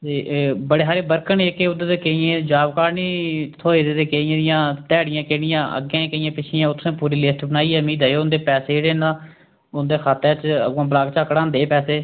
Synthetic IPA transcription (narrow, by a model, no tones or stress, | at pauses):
t̪eːbəɽeːɦaːɾeːbəɾkəɳeːkeʊd̪t̪eːkeiẽːd͡ʒaːbkaːɾniːt̪ʰoːeːd̪eːt̪eːkeijẽːd̪ɪjãːt̪ɛːɽɪjãːkeːɽɪjãːʔə̰ɡẽːkəjãːpɪt͡ʃʰɪjãːʊt̪ʰːsẽːpuːɾiːlɪsʈbənaːiːɛːmiːd̪ɦɛːoʊnd̪eːpɛːseːeɽeːnãː | ʊnd̪eːkʰaːt̪ːeːt͡ʃə̰ɡãːbəlaːɡt͡ʃaːkɽãːnd̪eːpɛːseː